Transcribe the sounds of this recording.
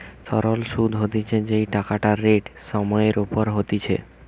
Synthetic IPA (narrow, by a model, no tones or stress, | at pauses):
sɔɾolʃud̪ʱɦot̪it͡ɕʰed͡ʑejʈakaʈaɾːeʈʃɔmɔeɾupoɾɦot̪it͡ɕʰḛ